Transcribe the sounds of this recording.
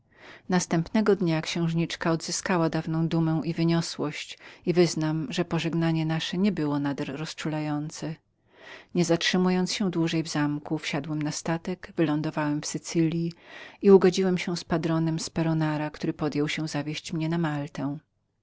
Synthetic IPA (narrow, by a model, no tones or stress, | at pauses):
nast̪ɛmpnɛɡɔd̪ɲakɕɛ̃w̃ʐɲit͡ʂkaɔd̪zɘskawad̪avnɔ̃w̃d̪umɛ̃w̃ivɘɲɔswɔɕt͡ɕivɘznamʐɛpɔʐɛɡnaɲɛnaʂɛɲɛbɘwɔnad̪ɛɾːɔst͡ʂulajɔnt̪sɛ | ɲɛzatʂɘmujɔnt̪sɕɛ̃d̪wuʐɛjvzamkufɕad̪wɛmnast̪at̪ɛɡvɘlɔnd̪ɔvawɛmfsɘt̪sɘlʲjiiuɡɔd͡ʑiwɛmɕɛw̃spad̪ɾɔnɛmspɛɾɔnaɾakt̪uɾɘpɔd̪jɛwɕɛ̃zavʲjeɕt͡ɕmɲɛnamalt̪ɛ̃w̃